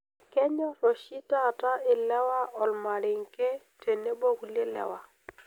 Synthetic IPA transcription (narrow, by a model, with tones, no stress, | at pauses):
kɛ˦ɲɔ˦ɾo˨ʃi˦ta˦˨ta˦ɪ˨lɛ˦wa˦ʔɔ˨lma˨ɾɪ˨ŋkɛ˦ | te˨ne˦bo˦ku˦le˦˨lɛ̰˦wa˦